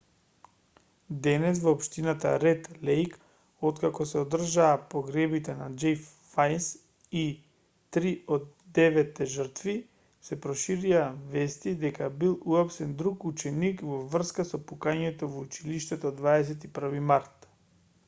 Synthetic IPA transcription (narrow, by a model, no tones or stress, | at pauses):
d̪ɛnɛs̬vɔːpʃt̪inat̪a̰ɾɛt̪lɛjk | ot̪kakɔsɛod̪r̩ʒaːpoɡɾɛbit̪ɛnad͡ʒɛjf | fajns | i | t̪ɾiod̪̚ːɛvɛt̪ːɛʒər̩t̪vi | sɛpɾɔʃiɾiavɛst̪id̪ɛkabilˠuapsɛnd̪ɾukut͡ʃɛnikvɔvr̩skasɔpukaɲɛt̪ɔvout͡ʃiliʃt̪ɛt̪od̪vaɛs̬ɛt̪ipr̩vimaɾt̪